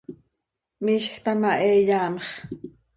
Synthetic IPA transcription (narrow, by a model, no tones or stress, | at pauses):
mɪʃxt̪amaʔeːjaːmeχ